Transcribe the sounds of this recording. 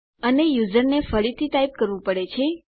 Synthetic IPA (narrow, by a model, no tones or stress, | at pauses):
ənejuzəɾnefəɽit̪ʰit̪aip̚kəɾʋũpəɽet͡ʃʰe